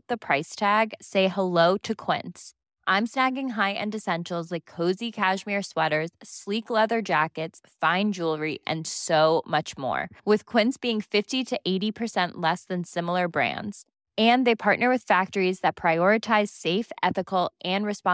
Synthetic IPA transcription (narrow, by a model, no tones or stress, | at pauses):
ðɨpʰɹ̥aɪstʰæɡseɪhəloʊɾɨkʰw̥ɪ̰̃nts | ʔãɪ̃msnæɡɪ̃ŋɦaɪʔɨ̰̃nɨsɛ̃nʃl̩ˠzlaɪkʰːoʊzikʰæʃmɪɹswɛɾə˞z̥sliklɛðə˞d͡ʒækɨtsfãɪ̃nd͡ʒulˠɹiʔɨ̰̃nsoʊmʌt͡ʃmɔ̰ɹwɨð̥kʰw̥ɪ̃ntsb̥iɪ̃ŋfɪftiɾɨʔeɪɾipʰə˞sɛ̃nʔlɛsðɨ̃nsɪ̃ml̩ˠə˞bɹæ̰̃ndz̥ | ɨ̃nðeɪpʰɑɹʔⁿnə˞wɨð̥fæk̚tə˞izðɨt̚pʰɹ̥aɪɔɹɨtʰaɪz̥seɪfɛθɨkl̩ˠʔɨ̃nɹɨspɑ̃